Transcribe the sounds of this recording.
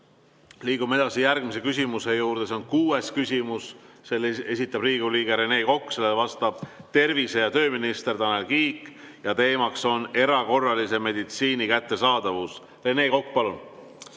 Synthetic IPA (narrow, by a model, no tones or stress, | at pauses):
liːɡ̥umːee̞d̪̥ɑsijærɡ̥mis̬e̞kys̬ʲimuse̞juːrd̪̥e̞seo̞nkuːe̞skysʲimusse̞le̞sʲit̪ːˑɑb̥riːɡ̥uliːɡ̥e̞ɾe̞ne̞ːko̞kːˑse̞lːevɑst̪ɑb̥t̪e̞rvise̞jɑt̪ø̞ːminist̪e̞rt̪ɑne̞lkiːkːjɑt̪e̞ːmɑkso̞ne̞ɾɑko̞rːɑlise̞me̞d̪it̪siːnikæt̪ːe̞sɑːd̪̥ɑvus | re̞ne̞ːko̞kːˑpɑlun